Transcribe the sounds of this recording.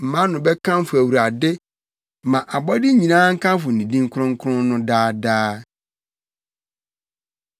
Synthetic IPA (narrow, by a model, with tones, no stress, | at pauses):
m̩˨mã˦nʊ̃˨bɛ˦kʰã˦m˦fʊ˨æ˨wu˨ɾa˨dɪ˦ | mã˨ʔa˨bɔ˦dɪ˦ɲĩ˨nãː˦ŋ̩˦kʰã˦m˦fʊ˨nĩ˨dĩ˦ŋ̩˦kʰʊ˦ɾʊ̃˦ŋ̩˦kʰʊ˦ɾʊ̃˦nʊ̃˦daː˦daː˦